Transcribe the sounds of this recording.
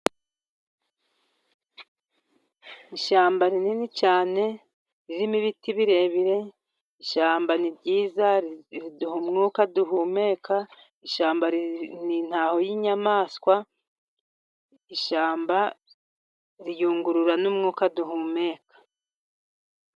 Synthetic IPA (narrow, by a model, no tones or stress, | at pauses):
iʃaːmbaɾininit͡ʃaːne̞ | ɾiɾimiβitiβiɾe̞ːβiɾe̞ | iʃaːmbanibɟiːzaɾiduhumŋuːkaduɦume̞ːkʰa | iʃaːmbaɾinin̥aːho̞jiɲamaːskwa | iʃaːmba | ɾijuːŋɡuɾuɾanumŋuːkaduɦuːme̞ːkḁ